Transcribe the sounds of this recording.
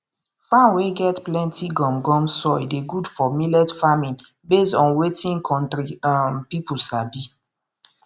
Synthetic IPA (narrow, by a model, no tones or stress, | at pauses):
fãnweɡɛtplɛ̃ntiɡɔ̃mɡɔ̃msɔjdeɡudfɔmilɛtfamĩn | bestɔ̃nwetĩŋkʰɔ̃ntɾiampipulsabi